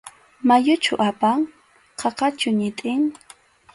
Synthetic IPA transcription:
majʊt͡ʃʊʔapaŋ | qʰɑqɑt͡ʃʊɲɪt̪ʼɪŋ

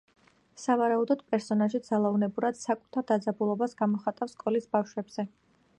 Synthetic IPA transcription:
savaɾaud̪ɔd̪̥pʼɛɾsɔnaʒid̪zalˠaunɛbuɾad̪̥sakʼut̪ʰaɾd̪ad̪zabulˠɔbasɡamɔχat̪ʼafskʼɔlisbafʃwɛbz̥ɛ

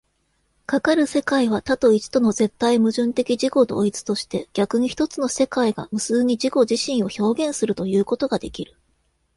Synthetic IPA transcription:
kakaɾɯ̟se̞kaiβ̞at̪at̪o̞it͡ɕi̥t̪o̞no̞ze̞t̪ːaimɯ̟ʑɨ̃nt̪e̞kʲid͡ʑiko̞d̪o̞̰ːit͡sɨ̥t̪o̞ɕi̥t̪e̞ɡ̥ʲakɯ̟ɲ̟içi̥t̪o̞t͡sɨno̞se̞kaiɡa̰mɯ̟sɨːɲ̟id͡ʑiko̞ʑiɕĩɰ̃o̞ço̞ːɡẽ̞ɰ̃sɨɾɯ̟t̪o̞jɯ̟ːko̞t̪oɡad̪e̞kʲiɾɯ̟̥

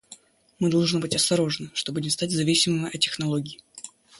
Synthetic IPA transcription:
mɨd̪ɐlˠʐnɨbɨtʲɐst̪ɐɾo̞ʐɨnɨʂt̪o̞budʲɪmst̪atʲzɐvʲisʲɪmɨmʲɪʔɐtʲːɪxnɐlˠo̞ɡʲɪː

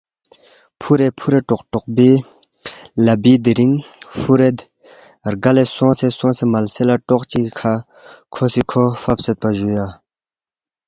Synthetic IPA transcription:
pʰuɾepʰuɾeʈ͡ʂɔqʈ͡ʂɔʔ̚biː | labid̪iɾiŋfuɾet̪ | rɡalesoŋsesoŋsemalselaʈ͡ʂɔʔt͡ɕikʰa | kʰosikʰofap̚set̪̚paʑuja

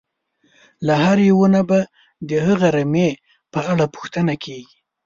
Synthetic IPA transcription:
lahaɾjewənaba | d̪əhəɣaɾame | pəaɽapʊ̥xt̪ənakʰeɡi

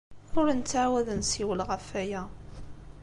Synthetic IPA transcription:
ʊɾnt͡sːʕawæðənsiwəlʁəfæjæ

